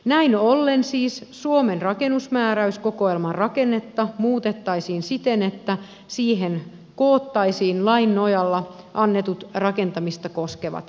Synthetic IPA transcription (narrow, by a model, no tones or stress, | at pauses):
næinolːensiːssuomenrɑkenusmæːɾæyskokoelmɑrrɑkenːet̪ːɑmuːt̪et̪ːɑisiːnsit̪enet̪ːæ | siːɦen | koːt̪ːɑisiːnlɑinːojɑlːɑ | ʔɑnːet̪ut̪rɑke̞nt̪ɑmist̪ɑkoskeʋɑ̰t̪